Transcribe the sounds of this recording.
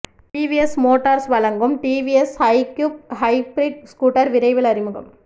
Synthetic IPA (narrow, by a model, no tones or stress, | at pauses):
ʈiːʋiɛsmoːʈːɐɾsʋɐlɐŋɡɯmʈiːʋiɛshɐɪkjup̚hɐɪbɾɪɖ̚skuːʈːɐɾʋɪɾɐɪʋɪɭɐɾɪmɯɣɐ̰m